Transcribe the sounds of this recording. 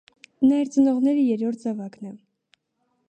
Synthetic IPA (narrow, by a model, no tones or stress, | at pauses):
nɑɛɾt͡sənɔʁnɛɾəjɛɾɔɾt̪̚ʰd͡zɑvɑknɛ